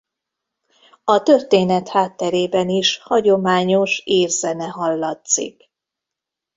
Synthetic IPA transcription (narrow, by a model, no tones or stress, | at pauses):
ɒt̪ø̞rt̪eːnɛt̪haːt̪ːɛɾeːbɛniʃhɒɟo̞maːɲo̞ʃeːrzɛnɛɦɒlːɒt̪sḭk